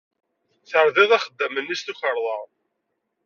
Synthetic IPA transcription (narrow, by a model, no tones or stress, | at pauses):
θəɾðɪðˤæχəd̪ːəmənːist̪uçəɾˤðˤɑʁ